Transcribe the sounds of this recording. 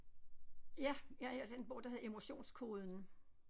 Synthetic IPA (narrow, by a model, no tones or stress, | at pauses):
jæjæjæd̥eenb̥ɔʊ̰d̥ɑhæð̩ˠe̝mo̝ɕo̝̰ːnskʰo̝ːð̞ˠn̩